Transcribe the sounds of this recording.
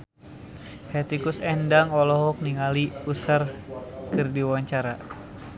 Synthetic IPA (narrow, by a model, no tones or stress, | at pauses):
hɛt̪ikusɛndaŋɔlɔɦɔk̚niŋaliusarkɨrdiwaɲt͡ʃaɾa